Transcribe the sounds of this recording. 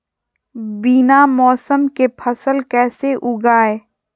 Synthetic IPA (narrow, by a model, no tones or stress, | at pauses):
biːnamɔːsəmkepʰəsəlkɛːseʔʊɡaːe